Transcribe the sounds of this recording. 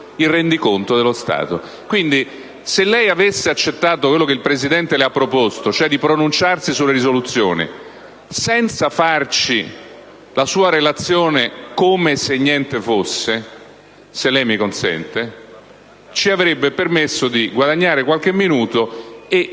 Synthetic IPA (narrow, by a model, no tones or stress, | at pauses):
irɛnd̪ikont̪od̪elost̪a̰ːt̪o̰ | kwind̪i | selːɛjavesːeat͡ʃːet̪ːaːt̪okwelːokeilpɾezid̪ɛnt̪eleapːɾopost̪ot͡ʃoɛd̪ipɾonunt͡ʃarsisulːeɾizolut̪sːjo̰ːnḭ | sɛnt̪safart͡ʃi | lasuːaɾelat̪sːjoːnekomeseɲːjɛnt̪efosːe | selːɛjmikonsɛ̰nt̪e | t͡ʃiavɾebːepermesːod̪iɡwad̪aɲːaːɾekwalk̟emːinuːt̪oe